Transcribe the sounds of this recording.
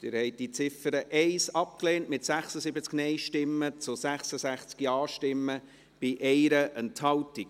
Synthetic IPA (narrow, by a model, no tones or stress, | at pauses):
d̪̥ɪɾhɛɪt̚d̥it͡sɪfəɾəʔɛɪsɑp̚kleːntmɪtsæχsəsɪbət͡sknɛɪʃtɪmːət͡sʊsæχsəsæχt͡skiɑːʃtɪmːə | b̥ɪʔɛɪɾəʔənthɑltik